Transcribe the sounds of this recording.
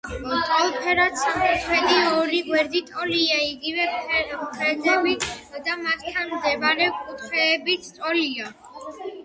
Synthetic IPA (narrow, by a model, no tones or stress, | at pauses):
ɔt̪ʼɔlpʰɛɾat̪samkʼut̪χɛd̪iɔɾiɡwɛɾd̪it̪ʼɔliaiɡivɛpʰɛɾmpʰɾɛd̪zɛbid̪amat̪t̪ʰːanmd̪ɛvaɾɛkʼut̪ʰχɛːbit̪ʰt̪ʼɔlia